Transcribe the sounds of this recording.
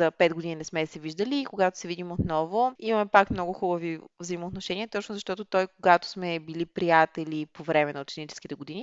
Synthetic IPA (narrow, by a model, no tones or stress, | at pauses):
zɐpɛd̪ɡoʊd̪ininɛsmɛsɛviʒd̪əliːkoɡat̪o̥sɛvid̪imot̪nɔvʊimɐmɛpakmnɔɡʊxubəvivzɐimoːt̪noʃɛnʲiɛt̪ɔt͡ʃnozɐʃt̪ɔt̪ot̪ɔjkoɡat̪ʊ̥smɛbilipɾijat̪ɛlipovɾɛmɛnɐot̪t͡ʃɛnit͡ʃɛ̥skit̪ɛɡʊd̪ini